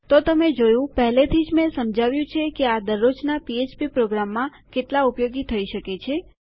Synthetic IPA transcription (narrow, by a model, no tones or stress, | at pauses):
t̪ot̪əmed͡ʒojũpəɦlet̪ʰid͡ʒmẽsəmd͡ʒʱaʋjũt͡ʃʰekead̪əɾot͡ʃnapiet͡ʃpipɾoɡɾamːã | keʈlaʊpjoɡit̪ʰəiʃəket͡ʃʰe